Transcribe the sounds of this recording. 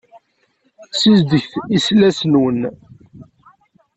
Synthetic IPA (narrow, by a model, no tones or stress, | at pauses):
sizd̪əçθislæsnwən